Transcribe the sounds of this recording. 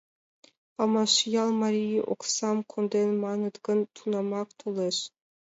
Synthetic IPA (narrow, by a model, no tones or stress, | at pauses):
ɑmɑʃijɑlˠmaɾijiʔo̰ksɑmkʰond̪enmɑnɯd̪ɡɯnt̪ʰunɑmɑkt̪ʰolˠeɾ